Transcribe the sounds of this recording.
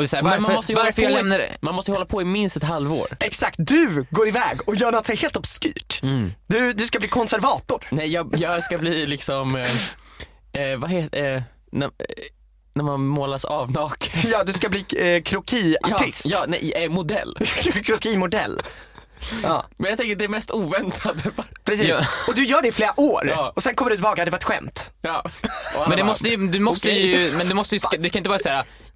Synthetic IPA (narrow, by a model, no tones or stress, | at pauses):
ɔd̪ɛsæːɾmaɾmaəmɔst̪əjvaɾfəɾjalɛmnadɛ̰manmɔst̪əhɔlːapʰɔɪmɪnst̪ɛt̪ɦalvo̰ːɾɛksak̚t̪̚d̪ɵɡoːɾɪvɛ̰ːɡɔjœːɳɔt̪ːsɛjheːlt̪ɔbsky̰ːʈd̪̥ɵd̪ɵskabliːkʰɔnsæɾvɑːt̪ʊɾnɛjjɑːjɑɡskabliːlɪksɔm | vaɦeːt̪ | næ | næɾmanmoːlasɑvnɑːkjɑːd̪ɵskabliːkʰɾʊkʰiːaʈɪstjɑːnɛɪɛmʊd̪ɛ̰lːkʰɾʊkiːmʊd̪ɛ̰lː | ɑ̰mɛnjat̪ɛŋkːəɾd̪ɛːɾmɛst̪uːvɛnt̪ʰad̪əfapʰɾɛsiːɔd̪ɵjœːɖɛɪfleːɾaʔoːɾɑːɔsɛnkɔmːəɖɵt̪ʰɪbɑːɡad̪ɛvaɾɛt̪ɧɛ̰mt̪jɑmɛnd̪ɛmɔst̪əjd̪ɵmɔst̪əjɵmɛnd̪ɵmɔst̪əjʏsd̪ɛkʰanɪnt̪əvɑɾasæːɾa